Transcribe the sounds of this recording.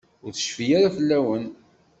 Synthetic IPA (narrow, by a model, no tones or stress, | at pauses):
ʊɾθə̥ʃfijaɾafəlːæwən